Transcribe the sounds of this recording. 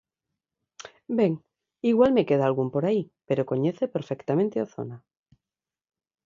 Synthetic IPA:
beŋ | iɣwalme̞keð̞aːlɣumpoɾaipeɾoko̞ɲeθepeɾfekt̪amẽnt̪eoθo̰na

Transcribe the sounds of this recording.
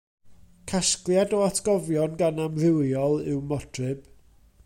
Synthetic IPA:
kʰasklˠjadɔatʰɡ̥ɔvjɔnɡanamrɪwjɔlˠɪwmɔtʰrɨb̥

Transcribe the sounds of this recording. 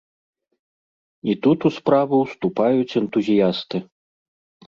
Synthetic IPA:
it̪ut̪uspɾavɨwst̪upajut͡sʲɛnt̪uzʲijast̪ɨ

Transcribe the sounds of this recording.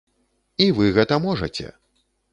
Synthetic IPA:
ivɨɣɛt̪ɐmɔʐɐ̰t͡sʲɛ̰

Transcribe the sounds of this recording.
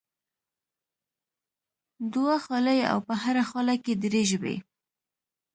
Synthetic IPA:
d̪waxɑləja̰wpəhaɾaxɑlaked̪ɾeʒəbḛ

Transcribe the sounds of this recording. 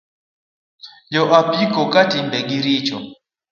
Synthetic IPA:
d͡ʒɔʔapikɔkatimbɛɡiɾit͡ʃɔ̰

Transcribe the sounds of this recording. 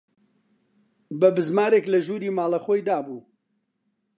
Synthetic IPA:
bɐbɨzmaːɾeːklɐʒuːɾiːmaːlˠɐxoːjd̪aːbuː

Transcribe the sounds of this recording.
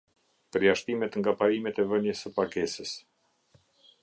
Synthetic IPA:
pəɾjaʃt̪imɛt̪ŋɡapaɾimɛt̪ɛvənjəsəpakɛsəs

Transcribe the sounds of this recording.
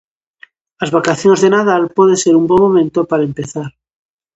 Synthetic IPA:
azβakaθjonzðenaðalpweð̞enseɾumbwoŋmõmẽnt̪opaɾaempeθaɾ

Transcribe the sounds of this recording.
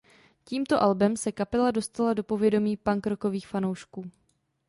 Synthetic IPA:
ciːmt̪o̞ʔalbɛmsɛkapɛlado̞st̪alado̞po̞vjɛdo̞miːpaŋkɾo̞ko̞viːxfano̞wʃkuː

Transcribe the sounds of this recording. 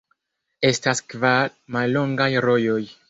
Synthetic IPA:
e̞staskvamalːo̞ŋɡajɾo̞jo̞j

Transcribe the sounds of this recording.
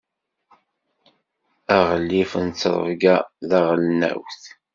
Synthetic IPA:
æʁəlːifənt͡sːɾˤə̰vɡæðæʁlnæ̰wθ

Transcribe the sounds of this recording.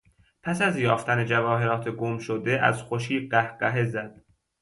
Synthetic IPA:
pʰæsæzjɒːft̪ʰæne̞d͡ʒævɒːɦe̞ɾɒːt̪ʰeɡomʃod̪eʔæ̰zxoʃiːɢæhɢæɦe̞zæd̪̥

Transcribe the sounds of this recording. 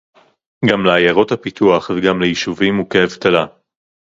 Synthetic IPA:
ɡamleajaʁo̞thapit̪ʰuaχveɡamlejiʃuvimukeavt̪ala

